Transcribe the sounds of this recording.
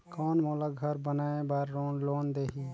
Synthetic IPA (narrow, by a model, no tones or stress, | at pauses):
kaːnmoːlaɡʱəɾbənaːebaːɾːoːnloːnd̪eːɦi